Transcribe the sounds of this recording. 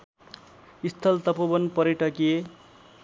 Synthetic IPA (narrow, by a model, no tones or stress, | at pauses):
ist̪ʰʌlt̪ʌpobʌnpʌɾeʈʌkie